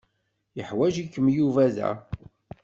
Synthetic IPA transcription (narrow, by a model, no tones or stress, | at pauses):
jəħwæʒikːəmjuvæðæ̰